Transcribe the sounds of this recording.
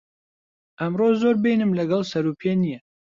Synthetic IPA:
ʔɛmroːzoːɾbejnɨmlɐɡɛlsɛɾuːpʰeːnijɛ

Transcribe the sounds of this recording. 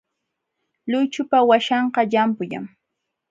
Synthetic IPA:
lʊjt͡ʃʊpawaʃɑɴqɑʎampʊʎa̰ŋ

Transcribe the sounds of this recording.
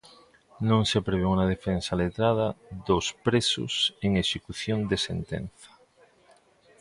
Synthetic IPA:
nõŋsepɾeβeunað̞efensalet̪ɾað̞ɐðospɾesʊ̰seŋeʃekuθjond̪esḛnt̪ḛnθɐ̥

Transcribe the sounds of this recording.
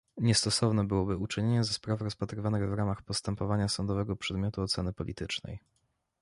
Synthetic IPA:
ɲɛst̪ɔsɔvnɛbɘwɔbɘut͡ʂɘɲeɲɛzɛspɾafɾɔspat̪ɾɘvanɘɣvɾamaxpɔst̪ɛmpɔvaɲasɔnd̪ɔvɛɡɔpʂɛd̪mʲjɔt̪uɔt̪sɛnɘpɔlʲʔḭt̪ɘt͡ʂnɛ̰j

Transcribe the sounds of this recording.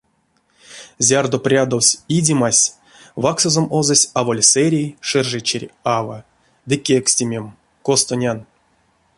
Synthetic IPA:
zʲard̪oprʲad̪owsʲidʲimasʲ | vaksozomozosʲavo̞lʲsɛɾʲijʂɛrʐɛt͡ɕerʲava̰ | d̪ɨkʲeksʲtʲimʲem | kost̪onʲan

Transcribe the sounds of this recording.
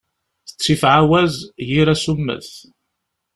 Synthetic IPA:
θə̥t͡sːifʕawæzjiɾæsumːə̰θ

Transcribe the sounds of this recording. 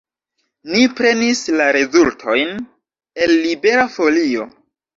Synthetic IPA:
nipɾe̞nislaɾe̞zultʰo̞jn | e̞lːibe̞ɾafo̞lio̞

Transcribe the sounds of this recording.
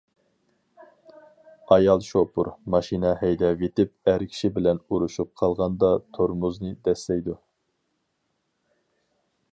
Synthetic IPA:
ɑjɑlˠʃopṵɾmɑʃinɛhɛjd̪ɛvet̪ɪp̚æɾkʲʰi̥ʃibɪlɛnuɾuʃup̚qʰɑlˠʁɑnd̪ɑt̪ʰoɾmuznɨd̪ɛslɛjd̪u

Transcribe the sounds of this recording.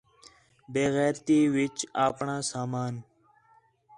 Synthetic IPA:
beːɣɛːɾt̪iːʋɪt͡ʃaːpɳãːsaːmaːn

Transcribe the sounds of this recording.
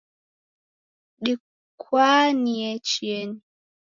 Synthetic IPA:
ɗi | kʰwaːniɛt͡ʃieni

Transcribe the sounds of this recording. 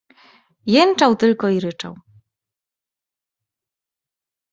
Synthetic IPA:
jɛnt͡ʂawt̪ɘlkɔiɾɘt͡ʂa̰w

